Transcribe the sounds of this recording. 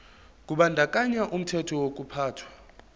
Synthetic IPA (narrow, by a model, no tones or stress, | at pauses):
k̬ʼuɓandʱakʼaɲaʔum̩tʰɛtʰɔwok̬ʼupʰaːtʰwa